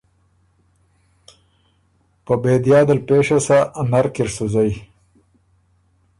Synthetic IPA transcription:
pəbeːd̪jɑːd̪əlpeːʂasanaɾkɪɾsuzaj

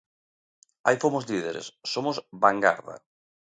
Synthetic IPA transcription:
ajfomʊzliðeɾḛsːomʊsbaŋɡa̰ɾða̰

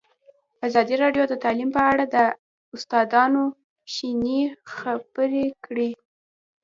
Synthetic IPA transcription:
azɑd̪iɾɑɖjod̪ət̪ɑlimpəaɽad̪ə | ʊst̪ɑd̪ɑno | ʃinixab̥əɾekɽi

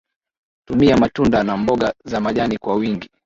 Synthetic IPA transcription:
tumiamatundanambɔɠazamaʄanikwawiŋɡi

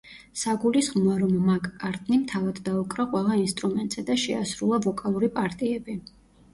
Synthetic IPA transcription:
saɡulisχmɔaɾɔmːakʼːaɾt̪ʼnimt̪ʰavad̪ːaukʼɾaqʼwɛlˠainst̪ʼɾumɛnt̪ʼz̥ɛd̪aʃɛasɾulˠavɔkʼalˠuɾipʼaɾt̪ʼiɛbi

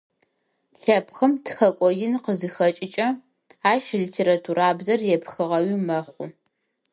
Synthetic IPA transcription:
ɬɐpxəmtʰxɐkʷʼɔjɪnqəzɨxɐt͡ʃʼɪt͡ʃʼɐ | aːʃlitʰeːɾatʰuɾaːbzɐrjɛpxɨʁɐwimɐχʷʊ

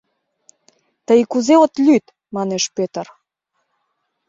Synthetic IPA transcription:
t̪əjkuzeot̪lʲyt̪ | mɑneʃpet̪ər

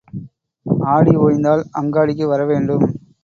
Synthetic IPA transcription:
aːɽioːjnd̪aːlʔɐŋɡaːɽɪk̬ːɯʋɐɾɐʋeːɳɖɯm

